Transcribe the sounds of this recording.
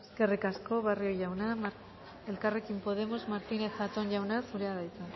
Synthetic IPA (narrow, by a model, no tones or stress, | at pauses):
eskerikasko̞βarioʝawnam | elkarekimpo̞ð̞e̞mo̞zmaɾt̪ine̞θat̪o̞nʝawnasuɾeaðajt͡s̪a